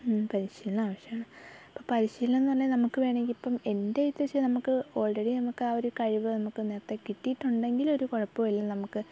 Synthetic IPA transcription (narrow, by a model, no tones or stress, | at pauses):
pɐɾiɕiːlɐnaːʋɐɕjɐmaːɳɨɐpːoːpɐɾiɕiːlenːɐlːenɐmukːɨʋeːɳekʲːipːɐme̞ndejit̪ːʋɐt͡ɕːɨnɐmukːɨo̞ːɭɖeɽinɐmukːaːoɾukɐɻiʋɨnɐmukːɨneːrt̪ːekiʈːijʈːuɳɖe̞ŋɡilo̞ɾukoɻɐpːɐʋɐliːɐnɐmukːɨ